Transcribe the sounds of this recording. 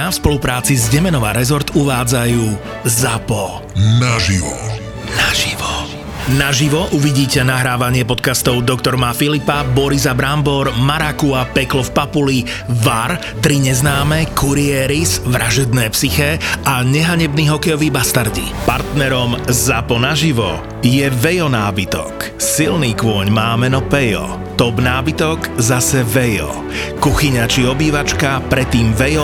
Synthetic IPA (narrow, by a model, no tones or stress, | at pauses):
afspɔlupɾaːt͡sizɟɛmɛnɔʋa̰ɾɛzɔɾt̪uʋaːd͡zajuː | zapɔ | naʒiʋɔ̰ | naʒiʋɔ | naʒiʋɔʔuʋiɟiːcɛnaɦɾaːʋaɲɪɛpɔt̪kast̪ɔʊd̪ɔkt̪ɔɾmafilipabɔɾizabɾambɔɾmaɾakuapɛklɔfpapuli | ʋaɾ | t̪ɾiɲɛznaːmɛkuɾiɛɾizʋɾʔaʒɛd̪nɛːpsixɛʔaɲɛɦaɲɛbniːɦɔkɛjɔʋiːbast̪aɾɟḭpaɾt̪nɛɾɔmzapɔnaʒiʋɔ | jɛʋɛjɔnaːbit̪ɔ̰k | silniːkʋʊɔɲmaːmɛnɔpɛjɔ̰ | t̪ɔbnaːbit̪ɔkzasɛʋɛjɔ̰ | kuxiɲat͡ʃiɔbiːʋat͡ʃkapɾɛt̪ːiːmʋɛjɔ